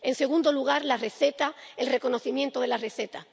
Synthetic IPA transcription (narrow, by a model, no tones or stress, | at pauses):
e̞nse̞ɣ̞ũnd̪oluɣ̞aɾlare̞θe̞t̪aelre̞ko̞no̞θimjent̪oðe̞lare̞θe̞t̪a